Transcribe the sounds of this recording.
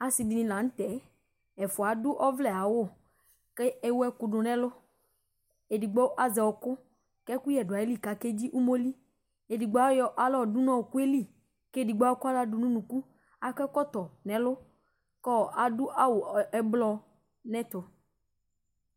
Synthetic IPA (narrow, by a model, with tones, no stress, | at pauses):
a˨si˨bi˨nĩ˨lã˨ŋ̩˦t̪ɛ˨˦ | ɛ˨fʊ˨a˨dʊ˦ʔɔ˦vlɛ˨a˨wo˦˨ | kɛ˦e˦wo˦ɛ˦kʊ˨ɖʊ˨nɛ̃˦lʊ˦ | e˨di˨ɡ͡bɔ˦ʔa˦zɛ˨wɔ˨kʊ˦ | kɛ˦ku˦jɛ˨dʊ˨a˨e˦li˦˨ka˨ke˦d͡ʑi˦ʔu˦mo˦li˦ | e˨di˨ɡ͡ba˦jɔ˦ʔa˦lɔ˦˨dʊ˦nɔ̃˦˨ku˦e˦li˦˨ | ke˦˨di˨ɡ͡bo˦ka˦la˦dʊ˨nũ˦nũ˨ku˦ | a˨kɛ˦kɔ˦t̪ɔ˨nɛ̃˨lʊ˦ | kɔ˦˨ʔa˨dʊ˦ʔa˦wo˨ɛ˨blɔ˦ | nɛ̃˦t̪ʊ˨